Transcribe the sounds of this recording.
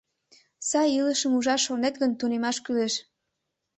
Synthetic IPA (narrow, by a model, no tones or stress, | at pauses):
sɑjiləʃəmuʒɑʃːonet̪ɣənt̪unemɑʃkyleʃ